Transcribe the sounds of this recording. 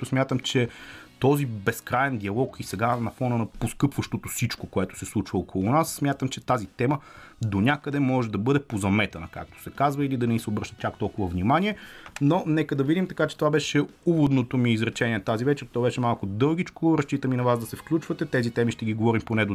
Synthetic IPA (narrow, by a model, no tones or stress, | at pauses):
osmʲjat̪əmt͡ʃɛt̪ɔzibɛskɾaɛnd̪iɐlˠɔkisɛɡanɐfɔnənɐposkɤpvəʃt̪ot̪osit͡ʃkokoɛt̪ʊ̥sɛslˠut͡ʃvəokʰolˠʊnasːmʲjat̪əmt͡ʃɛt̪azit̪ɛmə | d̪onʲakəd̪ɛmɔʒɛd̪ɐbɤd̪ɛpozɐmɛt̪ɐnɐka̰k̚t̪o̥sɛkazvəilid̪ɐnɛisɛobɾəʃt̪ət̪ʲːakt̪ɔlˠkʊvəvnʲimanʲiɛnonɛkəd̪ɐvid̪imt̪ɐkat͡ʃɛ̥t̪ovabɛʃɛuvod̪not̪omiːzɾɛt͡ʃɛnʲiɛnɐt̪azivɛt͡ʃɛɾt̪ɔbɛʃɛmalˠkʊd̪ɤlˠɡʲit͡ʃkoɾɐst͡ʃit̪əminɐvazd̪ɐsɛfklʲut͡ʃvət̪ɛt̪ɛzit̪ɛmiʃt̪ɛɡiɡovɔɾimponɛd̪o